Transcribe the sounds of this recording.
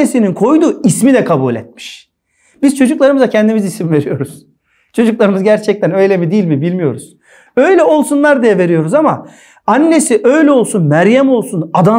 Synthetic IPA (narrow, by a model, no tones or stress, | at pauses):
esininkʰo̞jd̪uismid̪ɛkʰabuːlʲɛ̰t̪̚mi̥ʃ | b̥izt͡ʃʰo̞d͡ʒuklˠaɾɯmɯzacʰɛnd̪imizisimve̞ɾijo̞ɾuz̥ | t͡ʃʰo̞d͡ʒuklˠaɾɯmɯzɟæɾt͡ʃʰɛc̚t̪ʰænø̞jlʲemid̪ijilʲmibilʲmijo̞ɾuz̥ | ø̞jlʲɛo̞lˠsunlˠaɾd̪ijɛve̞ɾijo̞ɾuzama | anʲːe̞siʔø̞jlʲɛo̞lˠsunmæɾjæmo̞lˠsunad̪a